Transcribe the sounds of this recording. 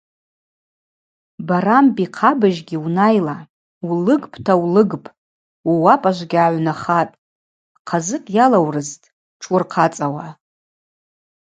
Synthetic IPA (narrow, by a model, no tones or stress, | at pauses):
baɾambʼiqʰabaʒɡʲiunajla | wlɨɡpʰʼtʰawlɨɡpʼ | uwapʼaʒʷɡʲaʕʷnaχatʼ | qʰazɨkʼjalawrɨztʼ | ʈ͡ʂʰʊrqʰat͡sʼawa